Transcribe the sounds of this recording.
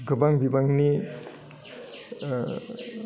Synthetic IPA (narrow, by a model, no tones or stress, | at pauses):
ɡɯbaŋbibaŋni